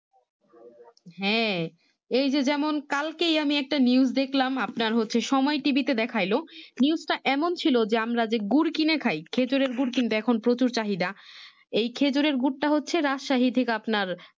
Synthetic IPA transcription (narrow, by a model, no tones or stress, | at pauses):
hɛ̃ | ejd͡ʑed͡ʑɛmonkalkejamiɛk̚ʈaniuzd̪ekʰlamapnaɾɦotːɕʰeʃɔmɔeʈibit̪ed̪ɛkʰajloniusʈaʔɛmont͡ɕʰilod͡ʑeamɾad͡ʑeɡuɾkinekʰajkʰed͡ʑoɾeɾɡuɾkint̪eɛkʰonpɾot͡ɕuɾt͡ɕaɦid̪a | ejkʰed͡ʑoɾeɾɡuʈ̚ʈaɦotːɕʰeɾaʃaɦit̪ʰekapnaɾ